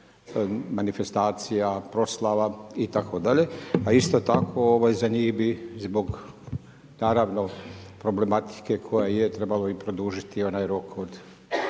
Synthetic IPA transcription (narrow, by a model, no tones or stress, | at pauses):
manife̞st̪aːt̪sijapɾo̞slˠaʋait̪akʰod̪aʎe̞aist̪ot̪akʰo̞oʋajzaɲiːxbizbo̞ɡ | naːɾaʋnopɾo̞ble̞mat̪i̥ke̞kʰo̞jajet̪ɾe̞baloipɾo̞d̪uːʒit̪io̞naːjɾokod̪